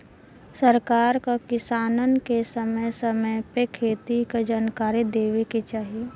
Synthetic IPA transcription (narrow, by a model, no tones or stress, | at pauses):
səɾkaːɾkakɪsaːnənkesəməjsəməjpekʰeːt̪ikad͡ʒaːnkaːɾid̪eːʋeket͡ʃaːɦie